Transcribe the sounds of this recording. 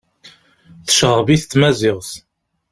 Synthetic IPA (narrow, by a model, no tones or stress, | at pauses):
θəʃʁəviθt͡s̪ːmæzɪʁθ